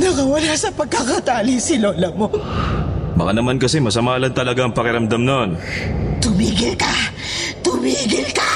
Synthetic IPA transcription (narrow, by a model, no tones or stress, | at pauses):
nɐkɐwɐlasɐpɐɡ̚kɐkɐt̪aːlisɪloːlɐmo | bɐkanɐmankɐsɛmɐsɐmaːlɐnt̪ɐlɐɡaɐŋpɐkɪɾɐmd̪amnont̪ʊmiːɡɪlkɐ | t̪ʊmiːɡɪlkɐ